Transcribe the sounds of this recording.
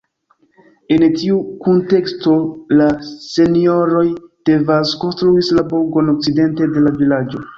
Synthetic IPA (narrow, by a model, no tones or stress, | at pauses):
entiukunte̞ksto̞lase̞nio̞ɾo̞jd̥e̞vasko̞nstɾuislaboɡo̞nok̚t͡side̞nte̞de̞lavilad͡ʒo̞